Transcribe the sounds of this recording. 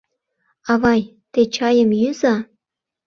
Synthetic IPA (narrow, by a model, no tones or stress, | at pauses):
ɑβɑj | t̪et͡ɕɑjə̆mjyzɑ